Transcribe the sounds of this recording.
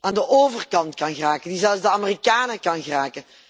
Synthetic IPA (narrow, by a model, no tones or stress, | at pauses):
aːndəʔoːvərkɑntkɑnɣəraːkəndizɛlˠfzdəamerikaːnərkɑnɣəraːkə